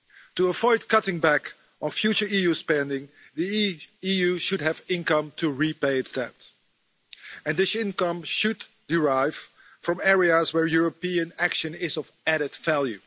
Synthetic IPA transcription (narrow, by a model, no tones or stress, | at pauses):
tuəvɔɪd̚kʌɾɪ̃ŋbæk | ə̃nfjʉt͡ʃə˞ijʉspɛ̃ndɪ̃ŋ | ðiijʉʃɨd̚ɨvɪ̃nkʌ̃mtʰuɹipeɪɨtsd̥ɛp̚t | ɨ̃nðɪsɪ̃nkʌ̃mʃɨd | dɪɹaɪv̥ | fɹʌ̃mɛɹiəzwɛɹjuɹəpiɨ̃nækʃɨ̃nɪzʌvæɾɨdvælˠjʉ̰